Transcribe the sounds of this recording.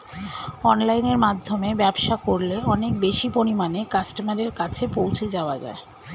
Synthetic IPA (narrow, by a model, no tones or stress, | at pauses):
ɔnlajneɾmad̪ʱːomebɛbʃakoɾleɔnek̚beʃipoɾimanekasʈomaɾeɾkat͡ɕʰepowt͡ɕʰed͡ʑaoad͡ʑa̰e